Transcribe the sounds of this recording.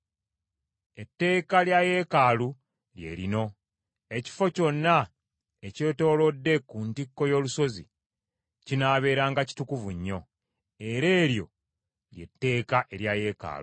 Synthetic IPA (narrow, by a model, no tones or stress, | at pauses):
e̞tːe̞ːkaljaje̞ːkaːlu | lje̞̰ɾino̞ | e̞ci̥fo̞co̞nːa | ece̞ːto̞ːlo̞dːe̞kuntikːo̞jo̞ːluso̞zḭ | cinaːβe̞ːɾaːŋɡaci̥tukuvuɲːo̞̰ | e̞ɾe̞ːɾjo̞̰ | lje̞tːe̞ːkaʔe̞ɾjaje̞ːka̰ːlṵ